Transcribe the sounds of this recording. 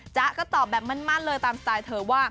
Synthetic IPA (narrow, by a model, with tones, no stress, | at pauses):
t͡ɕa˦˥ʔkɔː˥˩t̪ɔː˨˩p̚bɛː˨˩p̚ma˧˥˨nmaː˥˩k̚lɤː˧jt̪aː˧mst̪aː˧jt̪ʰɤː˨˩˦waː˥˩